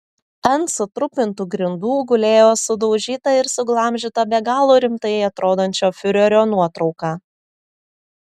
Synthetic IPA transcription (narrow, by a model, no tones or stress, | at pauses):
ɐnsʊt̪ɾʊpʲɪnt̪uːɡɾʲɪnd̪uːɡʊlʲeːjoːsʊd̪ɔʊʒʲiːt̪ɐɪɾsʊɡlˠɐˑmʲʒʲɪt̪ɐbʲɛɡɑːlˠoːɾʲɪmt̪ɐjɛɪɐt̪ɾoːd̪onʲt͡ʃʲoːfʲʊɾʲoɾʲoːnuɔt̪ɾɒʊkɑː